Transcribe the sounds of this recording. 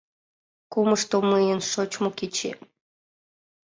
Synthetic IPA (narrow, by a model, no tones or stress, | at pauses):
kuməʃt̪omɨjənʃot͡ɕmoket͡ɕḛ